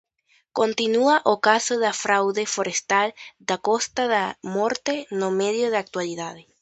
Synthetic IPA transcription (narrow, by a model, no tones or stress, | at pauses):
kont̪inuaʔokasoðafɾawðefoɾest̪ald̪ako̞st̪aðamoɾt̪enomeðjoðeak̚t̪waliðaðe